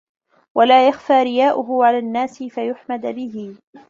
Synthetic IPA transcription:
wʔalaːjaxfaːɾɪjaːʔʊɦʊʕalaːnːaːsɪfajʊħmad̪bɪɦɪ

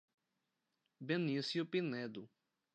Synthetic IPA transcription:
bẽnisjʊpinɛd̪ʊ

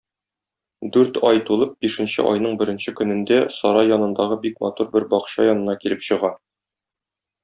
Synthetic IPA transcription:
d̪ʉɾt̪ɒjt̪ulˠɤp̚biʃɘ̆nɕɘ̰ʔɒ̰jnɤɴbɘ̆ɾɘ̆nɕɘkɵ̆nɘ̆nd̪æsɒɾɑjːɒnɤ̆nd̪ɑʁɤbikmɒt̪uɾbɘɾbɒqɕɑjɒnɤ̆nɑkilɘpɕɤ̆ʁɑ

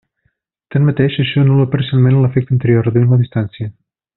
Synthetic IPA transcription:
t̪anmət̪eʃəʃɔənuləpəɾsialˠmenləfɛk̚t̪ənt̪əɾiorəðuinləðist̪ansiə

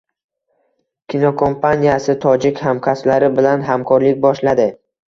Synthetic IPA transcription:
kʲʰinokʰo̞mpʰanijasɪt̪ʰɒd͡ʒɪkʲhamkʰaslaɾɪbɪlanɦamkʰɒɾlɪk̚ʲbɒʃlad̪ɪ

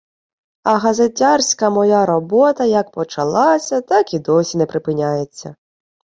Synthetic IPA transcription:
ɐɦɐzetʲːarsʲkɐmɔjaɾɔbɔt̪ɐjɐk̚pɔt͡ʃɐlˠɑsʲɐt̪ɑkid̪ɔsʲinɛpɾɪpɪnʲajet͡sʲːɐ̰

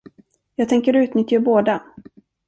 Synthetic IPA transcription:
jɑːɡ̚t̪ʰɛŋkəɾʉ̟ːt̪nʏt̪ːjaboːd̪a

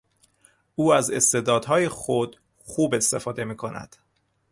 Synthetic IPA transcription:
uːæzest̪e̞d̪ɒːd̪ɦɒːjexod̪̥ | xuːbe̞st̪e̞fɒːd̪e̞miːkʰo̞næ̰d̪̥

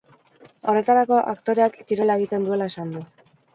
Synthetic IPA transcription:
o̞re̞t̪aɾako̞ʔakt̪o̞ɾe̞akːiɾo̞lae̞ɣit̪e̞nd̪ue̞lae̞sand̪u

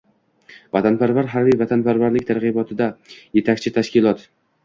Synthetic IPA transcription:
vat̪ʰanpaɾvaɾɦaɾbijvat̪ʰanpaɾvaɾlɪkʲt̪ʰaɾʁɨbɒt̪ʰɪd̪aje̞t̪ʰakʲt͡ʃʰɪt̪ʰaʃkʲɪlˠɒt̪

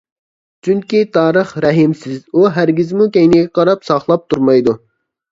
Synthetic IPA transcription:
t͡ʃʰyŋkʲit̪ʰɑːɾəχɾɛɦɪmsɪzuɦæɾɡʲɪzmukʲɛjnɪɡʲɛqʰɑɾɑpsɑχlˠɑp̚t̪ʰuɾmɑjd̪u

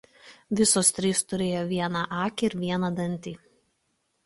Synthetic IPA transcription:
ʋʲɪsoːst̪ʲɾʲiːst̪ʊɾʲeːjoːʋʲiɛnɑʔɑːkʲːɪɾʋʲiɛnɐd̪ɐnʲˑt̪ʲiː

